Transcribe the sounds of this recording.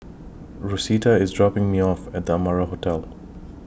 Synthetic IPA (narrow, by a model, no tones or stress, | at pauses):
ɹusitaɪzdɹɔpɪ̃ŋmiɔfæt̚d̪əamaɹaɦotʰɛlˠ